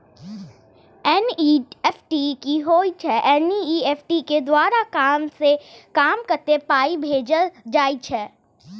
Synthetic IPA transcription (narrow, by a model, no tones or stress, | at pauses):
ɛniːɛfʈikiɦoːit͡ʃʰɛʔɛniiːɛːfʈiked̪waːɾakaːmsekaːmkɐɾt̪epaːibʱeːd͡ʒəd͡ʒaːit͡ʃʰɛː